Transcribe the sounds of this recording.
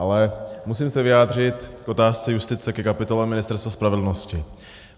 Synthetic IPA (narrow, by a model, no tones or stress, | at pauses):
ʔalɛmusiːmsɛvɪjaːd̪r̝ɪt̪kʔo̞t̪aːst͡sɛjust̪ɪt͡sɛkɛkapɪt̪o̞lɛmɪnɪst̪ɛɾst̪vaspɾavɛdl̩noscɪ